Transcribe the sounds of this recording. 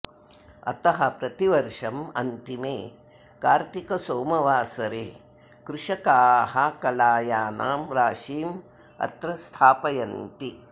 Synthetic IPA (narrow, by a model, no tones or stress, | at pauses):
ɐ̰t̪ɐɦɐpɾɐt̪iʋɐɾʂɐmɐ̰nt̪imeː | kaːɾt̪ikɐsoːmɐʋaːsɐɾeː | kɾuʂɐkaːhɐkɐlaːjaːnaːmɾaːʃiːm | ɐ̰t̪ɾɐst̪ʰaːpɐjɐnt̪i